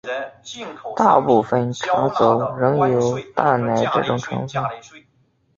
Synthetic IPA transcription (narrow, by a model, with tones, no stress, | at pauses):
t̪a̰˥˧pu˥˧fə˧˩nʈ͡ʂʰɑ˧˥ŋt͡so˨˩ʊɻɤ˧˥ŋjo˨˩˥ʊt̪a˥˩na˧˥ɪʈ͡ʂɤ̰˥˩ʈ͡ʂʊ˨˩ŋʈ͡ʂʰɤ̰˧˥ŋfə˥˩n